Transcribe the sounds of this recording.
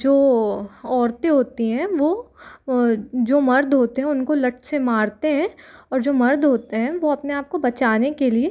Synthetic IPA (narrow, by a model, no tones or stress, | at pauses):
d͡ʒoːɔːɾt̪eɦoːt̪iɦɛ̃ʋoː | d͡ʒoːmɐɾd̪ʱɦoːt̪eɦɛ̃ʊnkolɐʈsemaːɾt̪eɦɛ̃ːɔːɾd͡ʒoːmɐɾd̪ʱɦoːt̪eɦɛ̃ʋoɐpneaːp̚kobɐt͡ʃaːnekelie